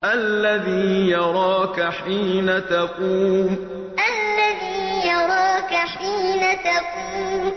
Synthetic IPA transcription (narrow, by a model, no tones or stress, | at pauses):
ʔalːaðiːjɑɾˤɑːkaħiːnat̪aquːm | ʔalːaðiːjɑɾˤɑːkaħiːnat̪aquːm